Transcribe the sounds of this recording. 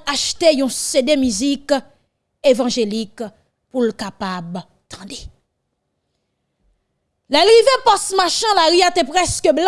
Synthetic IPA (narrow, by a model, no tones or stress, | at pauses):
aʃt̪ejɔ̃sed̪emyzik | evɑ̃ʒelik | pulkapab | t̪ʰɑ̃d̪e | lɛlɣivepɔsmaʃɛ̃laʁijat̪ɛ̃pʁɛskəbl